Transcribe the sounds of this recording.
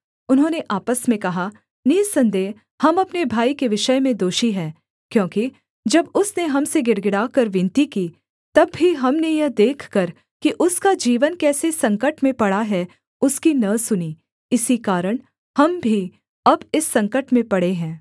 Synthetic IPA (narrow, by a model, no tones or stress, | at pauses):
ʊnɦõːneʔaːpəsmẽkɐɦa | niːsɐ̃nd̪eː | hɐmɐpnebʱaːikeʋɪʃəmẽd̪oːʃiɦɛː | kjõːki | d͡ʒɐbʊsneɦɐmseɡɪɽɡɪɽaːkɐɾʋɪ̃nt̪ikiː | t̪ɐbːiɦɐmnejɐd̪eːkʰkɐɾ | kiʔʊskad͡ʒiːʋənkɛːsesɐ̃ŋkəʈmẽpɐɽaɦɛ | ʊskinɐsʊniː | ɪsikaːɾəɽ̃ | hɐmbʱi | ɐbɪsːɐ̃ŋkəʈmẽpɐɽeɦɛ̃ː